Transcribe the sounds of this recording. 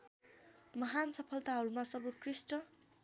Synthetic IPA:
mʌɦansʌpʰʌlt̪aɦʌɾumasʌbut̚krisʈʌ

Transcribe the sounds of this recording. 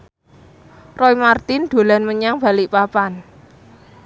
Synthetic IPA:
rɔimart̪ɪnd̪̥o̤lanməɲaŋb̥a̤lɪʔpapan

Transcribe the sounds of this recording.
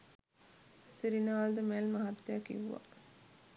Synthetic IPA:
siɾinaːld̪əmelmɐɦɐt̪ːejakḭʋuʋa̰

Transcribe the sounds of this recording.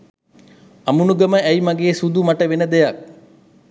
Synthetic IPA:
ɐmunuɡəməæjmaɡeːsud̪umaʈəʋenəd̪ejak̚

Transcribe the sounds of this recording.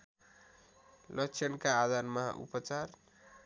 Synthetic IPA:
lʌkt͡sʰʌnkaːd̪ʱanmʌɦa̰ʔṵpʌt͡sar

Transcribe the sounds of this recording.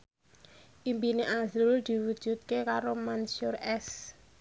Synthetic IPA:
ʔimbineʔazʊld̪̥i̤wud̥ʒ̥ṳt̪̚kekaɾomansʊrɛs

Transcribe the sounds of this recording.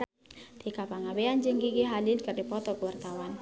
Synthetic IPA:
d̪̥ikapaŋabeand͡ʒəŋkikiɦalilkərdipɔt̪ɔkəwart̪awan

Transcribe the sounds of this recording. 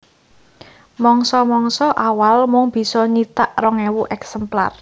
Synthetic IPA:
mɔŋsɔmɔŋsɔʔawalmʊŋb̥i̤sɔɲit̪aʔrɔŋɛwuʔɛksɛmpla̰r

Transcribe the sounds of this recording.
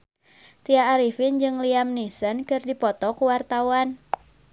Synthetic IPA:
t̪iaːɾifind͡ʒɨŋliamnisənkɨrdipɔt̪ɔkuwart̪awan

